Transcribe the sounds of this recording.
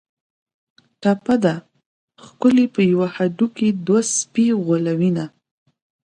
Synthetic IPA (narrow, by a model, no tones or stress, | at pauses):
ʈapad̪a | xkʊlepəjawahaɖuked̪waspiɣolawina